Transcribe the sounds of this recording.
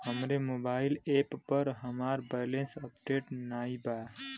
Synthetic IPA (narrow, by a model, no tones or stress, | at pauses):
həmɾemobaːɪlepːəɾɦəmaːɾbajlensəpʈeʈnaːiba